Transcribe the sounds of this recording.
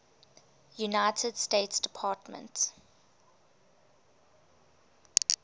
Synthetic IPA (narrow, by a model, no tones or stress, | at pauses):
junaɪtʰəd̥steɪtsd̥ɪpʰɑːtmə̰̃nt